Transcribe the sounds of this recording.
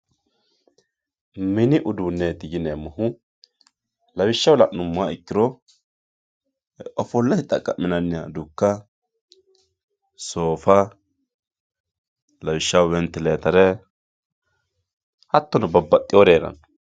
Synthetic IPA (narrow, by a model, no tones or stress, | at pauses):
mɪnɪʔʊd̪unːeːt̪ɪɡɪneːmɐɦʊ | lɐwɪʃːɐwlɐʔnʊmːʊaɪkːɪɾɔ | ɔfɔlːɐhɪt̪ʼːɐkʼːɐʔmːɪnɐnːɪjad̪ʊkːɐ | soːfɐ | lɐwɪʃːɐwwɛnt̪ːɛleːt̪ɐɾɛ | hɐt̪ːɔnɐbɐbːɐt̪ʼːɪɔɾeːɾɐ̰n